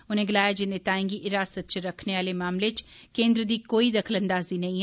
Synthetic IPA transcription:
ʊnẽːɡɪlaːjaːd͡ʒɪnẽːt̪aːẽːŋɡiʔɪɾaːsət̪̚t͡ʃɾəkʰneːaːleːmaːmlet͡ʃkẽːnd̪ɾəd̪iːkoːid̪əkʰələ̃nd̪aːziːnɐĩː

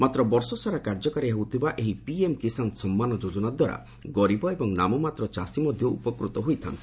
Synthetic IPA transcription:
mat̪ɾɔbɔɾsɔsaɾakaɾd͡ʒɔkaɾiɦewt̪ʰibaʔeɦipiemkisansɔmːanɔd͡ʒod͡ʒɔnad̪waɾa̰iɡɔɾibɔebɔŋnamɔmat̪ɾɔt͡ʃasimɔd̪ʱjɔṵpɔkɾut̪ɔɦujt̪ʰa̰nt̪ʰi̥

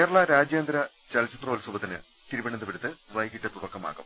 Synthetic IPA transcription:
keːrɐɭɐɾaːd͡ʑjaːnd̪ɾɐ | t͡ɕɐlt͡ɕːit̪roːlsubɐt̪ːinɨ̰ | t̪iɾubɐɳɐnd̪ɐpiɽit̪ːɨʋɐjkiʈːɨt̪uɽɐkːɐma̰ːɣṵm

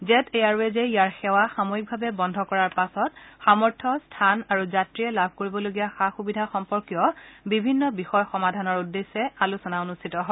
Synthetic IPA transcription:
zɛtʰejaɹuɛzeijaɹxɛwaxamoik̚bʱabɛbɔndʱɔkɔɹaɹpasɔtxamɔɹtʰɔstʰanaɹuzatɹiɛlabʱkoɹibɔloɡijaxaxubidʱaxɔmpɔɹkijɔbibʱinːɔbixɔjxɔmadʱanɔɹudːesːɛalusɔnaonustʰitɔɦɔ

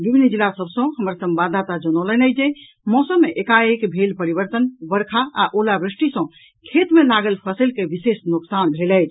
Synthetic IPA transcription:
bibʱinːəd͡ʒilːasəbsə̃ɦəməɾsə̃mbad̪ʱat̪ad͡ʒənɔlənəd͡ʒɛ | mɔsəmːeʔekaekbʱelpəɾibəɾt̪ənbəɾkʰaaʔolabɾisʈisə̃ | kʰet̪melaɡəlpʰəsəlkeʋisesnuksanbʱelɛjt͡ʃʰ

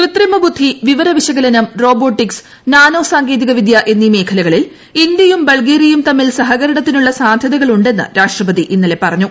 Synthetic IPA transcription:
krit̪rimɐbud̪ʱːiʋiʋɐɾɐʋiɕɐɣɐlɐnɐmro̞ːbo̞ːʈːiks | naːnoːsaːŋɡe̞ːðiɣɐʋid̪jɐʔe̞nːime̞ːkʰɐlɐɣɐɭil | ind̪jɐjumbɐɭɡeːɾijumt̪ɐmːilsɐɦɐɣɐɾɐɳɐt̪ːinuɭːɐsaːd̪ʱjɐðɐɣɐɭuɳɖe̞nːɨ̰ɾaːʂʈrɐbɐðiʔinːile̞pɐrɐɲːu

